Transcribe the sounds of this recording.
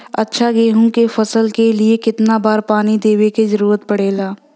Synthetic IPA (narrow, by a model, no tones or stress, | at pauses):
ɐtːʃʰaɡeːɦũkefɐsəlkeliekɪt̪nabaːɾpaːnid̪eːwekezəɾuːɾət̪pɐɽeːlaː